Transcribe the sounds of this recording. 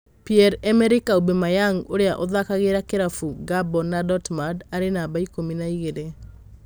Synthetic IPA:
piɛɾɛmɛɾikaobemajaŋoɾeaʔoðakaɣeɾakeɾafuɡabɔnadɔtmadaɾenabaikominaiɣeɾe

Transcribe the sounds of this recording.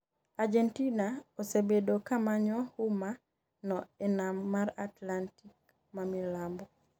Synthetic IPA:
ad͡ʒentinaosebedokamaɲɔhuma | nɔɛnamːaɾatlantik | mamilambɔ

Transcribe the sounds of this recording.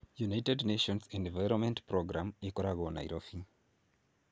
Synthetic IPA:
junajtɛdneʃɔ̃nsɛ̃ndvajɾɔnmɛ̃ntpɾɔɡɾamikɔɾaɣɔna̰ḭɾofi

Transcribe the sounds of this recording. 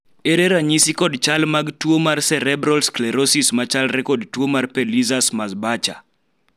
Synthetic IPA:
eɾeɾaɲisikɔdt͡ʃalmaɡtuomarsɛɾɛbɾɔlsklɛɾosismat͡ʃalɾɛkɔdtuomarpɛlizasmazbat͡ʃa̰

